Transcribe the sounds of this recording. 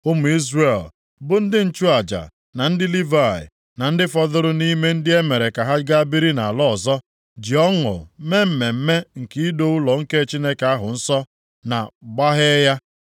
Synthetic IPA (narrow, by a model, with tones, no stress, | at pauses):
ʊ˦mʊ˨i˦zre˨l | bʊ˨n̩˦dɪ˦n̩˨t͡ʃu˦a˨d͡ʒa̰˨ | na˨n̩˦dɪ˦li˦va˦˨ɪ̰˨ | na˨n̩˦dɪ˦fɔ˦ðʊ˦ɾʊ˦ni˦me˦n̩˦dɪ˦e˦me˨ɾe˨ka˨ɦa˦ɡa˦bi˦ɾi˦na˨a˨lɔ˦˨zɔ˦ | d͡ʒi˨ɔ˦ŋʊ̰˨me˦m̩˨me˨m̩˦me˦ŋ̩˨ki˦do˦ʊ˦lɔ˨ŋ̩˦ke˦˨t͡ʃi˦ne˦ke˨a˦ɦʊ˨n̩˦sɔ˦ | na̰˨ɡ͡ba˦ɦe˦ja˦